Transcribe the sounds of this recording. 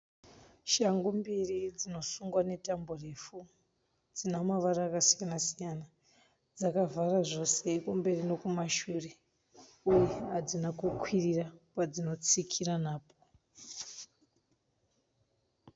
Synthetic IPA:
ʃaŋɡumbirid͡zino̞suŋɡwane̞tambore̞fu | d͡zinamaʋaraːkasijanasijana | d͡zakavʱaraʐo̞se̞kumbe̞rino̞kumaʃure̞ | ujeɦad͡zinakukwirirapad͡zino̞t͡sikʰiranaːpo

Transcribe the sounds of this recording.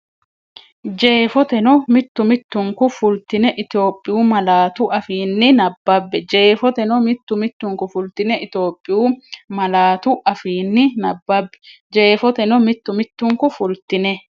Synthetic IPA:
d͡ʒe̞ːfɔt̪ɛnɔmɪt̪ːʊmɪt̪ːʊŋkʊfʊlt̪ɪnɛʔɪt̪jo̞ːpʼːɪjuːmɐlaːt̪ʊʔɐfiːnːɪnɐbːɐbːɛd͡ʒe̞ːfɔt̪ɛnɔmɪt̪ːʊmɪt̪ːʊŋkʊfʊlt̪ɪnɛʔɪt̪o̞ːpʼːɪjuːmɐlaːt̪ʊʔɐfiːnːɪnɐbːɐbːɛ̥ | d͡ʒe̞ːfɔt̪ɛnɔmɪt̪ːʊmɪt̪ːʊŋkʊfʊlt̪ɪnɛ

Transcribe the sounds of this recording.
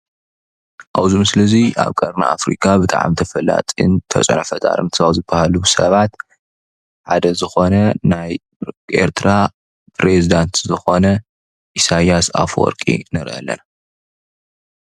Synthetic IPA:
ʔawzumɨslɨziʔa̰βkʼɐɾna̰afɾḭkʰʼabɨt̪ʼa̰ʕa̰mt̪ʰɐfɐla̰t̪ʼḭnt̪ʰɐ̰t͡sʼɐnɐfɐt̪ʼa̰ɾɨmt̪ʰawzɨbːahalubɨsɐβat̪ | ħad̪ɐzɨxo̞nɐnaj | ʔe̞̰ɾt̪ʰɾa | pʰʼɾezid̪ant̪zɨxo̞nɐ | ʔisajasa̰fwɔ̰ɾkʼḭnɨɾʔɐ̰lːɐ̰na

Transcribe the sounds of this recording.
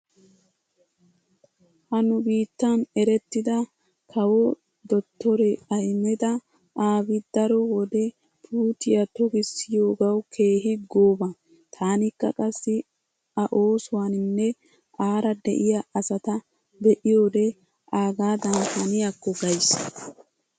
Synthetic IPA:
hɐnʊbiːt̪ːɐnɛɾɛt̪ːɪd̪ɐ | kʰɐwɔ | d̪ɔt̪ːɔɾɛɐjmɛd̪ɐ | ʔaːbɪd̪̥ɐɾɔwɔd̪ɛ | pʰuːt̪ɪjɐt̪ɔɡɪsɪjo̞ːɡɐwkʰe̞ːɦɪɡoːbɐ | t̪ʰaːnɪkːɐ̰kʼɐsːɪ | ɐʔo̞ːsʊwanɪnːɛ | ʔaːɾɐd̪ɛ̰ʔɪjaɐsɐt̪ɐ | bɛʔɪjo̞ːd̪ɛ | ʔaːɡaːd̪ɐntɐnɪjakːɔɡɐjs

